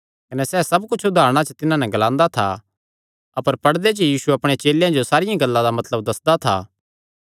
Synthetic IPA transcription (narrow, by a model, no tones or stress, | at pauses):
kɐnɛsɛːsɐbkʊt͡ʃʰʊd̪ʱaːɾɽ̃at͡ʃət̪ɪnãnɛɡɐlãːnd̪at̪ʰa̰ | ɐpəɾpɐɽd̪et͡ʃjiːsuɐpɽ̃et͡ʃeːljãd͡ʒosaːɾɪjãɡɐlːãd̪amɐt̪ləbd̪ɐsd̪at̪ʰa̰ː